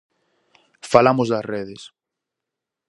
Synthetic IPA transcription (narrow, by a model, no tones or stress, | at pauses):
falamozðɐsreð̞es